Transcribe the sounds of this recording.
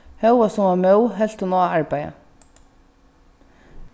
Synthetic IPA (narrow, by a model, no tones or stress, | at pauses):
hœwasʊmamœwɦɛl̥t̪ʊnɔːaɹpaja̰